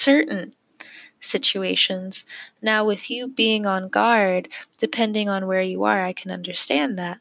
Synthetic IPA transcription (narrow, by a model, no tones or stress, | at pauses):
sɜ˞ʔn̩ | sɪt͡ʃʉeɪʃɨ̃nz̥naʊwɪðjɨbiɪ̃ŋə̃nɡɑɹdd̥ɨpʰɛ̃ndɪ̃ŋə̃nwə˞jɨə̰˞aɪkʰɨ̃nʌ̰̃ndə˞stæ̃nðæt̚